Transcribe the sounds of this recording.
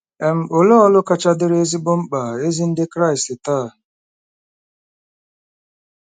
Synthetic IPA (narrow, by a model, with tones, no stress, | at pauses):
ɛ˨m̩˨o˨lo˦ɔ˦lʊ˦ka˦t͡ʃa˦dɪ˦ɾe˦zi˦bʊ˦m̩˦k͡pa˨e˦zi˦n̩˦dɪ˦kɾa˦ɪ˨stɪ˨taː˦˨